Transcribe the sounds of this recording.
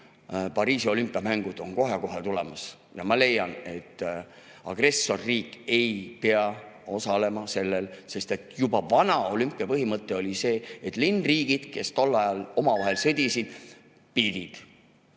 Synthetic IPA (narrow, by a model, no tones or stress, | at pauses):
pɑɾiːsio̞lympːˑiɑmæŋɡ̥ud̪̥o̞̰nko̞ɦe̞ko̞ɦe̞t̪ule̞̰mɑs | jɑmɑle̞jːɑne̞t̪ː | ɑɡ̥re̞sːo̞rːiːkːˑe̞jpeɑo̞sɑle̞mɑse̞lːe̞lse̞st̪e̞t̪ˑjubɑvɑnɑo̞lympːˑiɑpɤɦimɤt̪ˑːe̞o̞lʲise̞ːet̪ˑlinriːɡ̥id̪̥ke̞st̪o̞lːɑjɑlo̞mɑvɑɦe̞lsɤd̪̥ʲisid̪̥ | pid̪̥ʲid̪̥